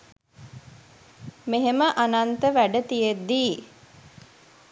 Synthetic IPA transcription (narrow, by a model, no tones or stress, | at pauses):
meɦeməʔanant̪əʋæɖət̪ijet̪̚d̪iː